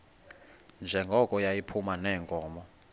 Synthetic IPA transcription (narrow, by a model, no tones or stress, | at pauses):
nd͡ʒʱɛŋɡʱɔkʼɔjajipʰumanɛːŋkʼɔːmɔ